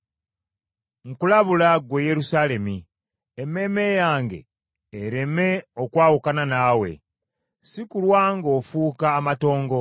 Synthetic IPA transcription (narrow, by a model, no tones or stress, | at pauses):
ŋ̩kulaβulaɡweje̞ɾusaːle̞mi | emːe̞me̞jaːŋɡe̞̰ː | ɾe̞me̞o̞kwaːwukananaːwe̞̰ | sikulwaːŋɡo̞fuːkaːmato̞ːŋɡo̞